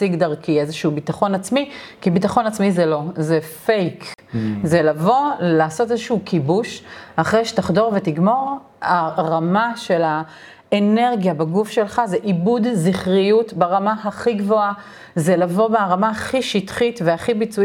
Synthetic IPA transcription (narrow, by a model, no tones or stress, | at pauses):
siɡd̪ɐʁkiezeʃuubitaχo̞nat͡smikibitaχo̞nat͡smizelo̞zefejkzelavo̞llaːso̞tezʃuukibuʃaχʁejʃetaχdo̞ʁvetiɡmo̞ʁ | aʁamaʃe̞la | ene̞ʁɡjabeɡufʃe̞lχazeʔibudziχʁijutbaʁamaɦaχiɡvo̞a | zelavo̞beaʁamaaχiʃitχitveaχibit͡su